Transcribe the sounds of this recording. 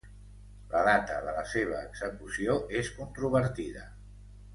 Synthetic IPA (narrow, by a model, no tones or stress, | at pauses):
ləðat̪əðələseβ̞əːɡz̥əkusioʔeskunt̪ɾuβəɾt̪iðə